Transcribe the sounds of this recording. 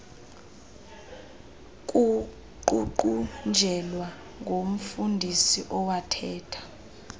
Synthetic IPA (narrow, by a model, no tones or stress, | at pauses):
k̬ʼu | ǃuǃund͡ʒʱɛlwa | ŋɡʱom̩fundʱisiʔɔwatʰɛːtʰḁ